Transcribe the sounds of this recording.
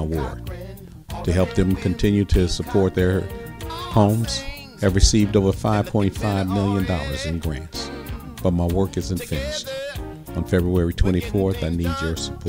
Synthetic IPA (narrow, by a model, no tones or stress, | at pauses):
wɜ̰˞k | tʰɨɦɛlˠp̚ðɨ̃mkʰɨ̃ntʰɪ̃njʉɾɨsəpʰɔɹt̪̚ðə˞ | hõʊ̃mz̥ | hɨvɹɨsivdoʊvə˞faɪv̥pʰɔ̃ɪ̃ntfaɪvmɪlˠjɨ̃ndɔlˠə̰˞zɨ̃nɡɹæ̰̃nts | b̥ʌt̚maɪwɜ˞kɨzɨ̃ɱfɪ̃nst | n̩fɛbɹuɛɹitʰw̥ɛ̃ɾ̃ifɔɹθaɪnid͡ʒjə˞səpʰ